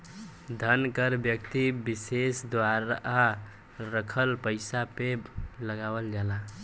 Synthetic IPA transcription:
d̪ʱənkəɾbjəkt̪ibisesd̪waɾa | ɾəkʰəlpəɪsapebləɡawəld͡ʒala

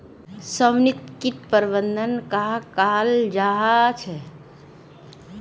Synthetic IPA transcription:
səmnit̪kiʈ̪pəɾbənd̪ʱənkaɦkald͡ʒaɦat͡ʃʰɛ

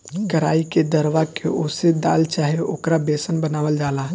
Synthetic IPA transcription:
kəɾaːiked̪əɾʋakʰeʔoːsed̪aːlt͡ʃaːɦeoːkɾabeːsənbənaːʋəld͡ʒaːlaɦ

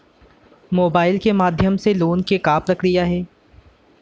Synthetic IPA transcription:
moːbaːɪlkemaːd̪ʱjəmseloːnkekaːpɾɐkʰɾɪjaɦɛː

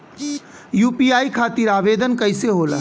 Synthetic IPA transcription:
juːpiaːikʰaːt̪iɾaːʋeːd̪ənkəɪseɦoːla̰

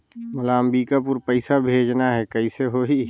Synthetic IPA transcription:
mʊlaːmbiːkapʊɾpəɪsabʱeːd͡ʒnaɦɛkəiseɦoɦi

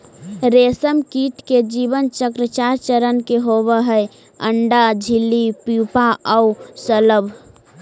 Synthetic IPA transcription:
ɾesəmkiʈ̪ked͡ʒibənt͡ʃəkɾət͡ʃaɾt͡ʃəɾənkeɦobəɦəe | əɳɖad͡ʒʱilːipjupaʔəusələbʱ

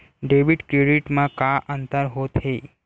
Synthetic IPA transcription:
ɖeʋiɖkɾeɽiʈmakaʔənt̪əɾɦot̪ɦe

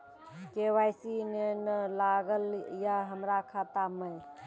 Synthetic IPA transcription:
kewajsinenəlaɡəljaɦəmɾakʰat̪aməj

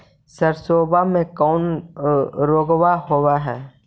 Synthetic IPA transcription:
səɾsoːbamẽkɔːn | ɾoːɡwaɦoːwaɦɛː

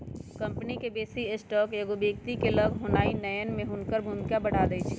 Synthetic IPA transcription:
kə̃mpnikebeːsiesʈɔːkeɡobəkt̪ikeləɡʱɦonaːinəjənmẽɦʊnkəɾbʱunkjabəɽ̤ad̪əjt͡ʃʰ

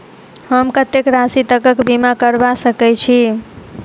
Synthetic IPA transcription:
həmkət̪ekɾasit̪əkəkbimakəɾbasəkɛt͡ʃʰi

